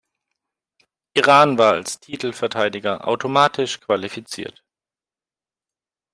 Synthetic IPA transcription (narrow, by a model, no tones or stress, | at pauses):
ʔiʁaːnvaːɐa̰lstʰiːtl̩fɛɐtʰaɪdɪɡɐʔa̰ʊtʰomaːtʰɪʃkv̥alifit͡sḭːɐt